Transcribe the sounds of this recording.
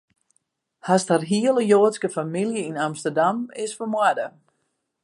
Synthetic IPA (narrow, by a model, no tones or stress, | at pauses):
hastharɦiəlˠəjoːtskəfamilˠjəinamstərdamɪsfəmwadə